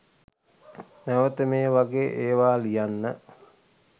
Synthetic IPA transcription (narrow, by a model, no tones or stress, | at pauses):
næʋət̪əmeːʋaɡeːʔeːʋaːlijanːə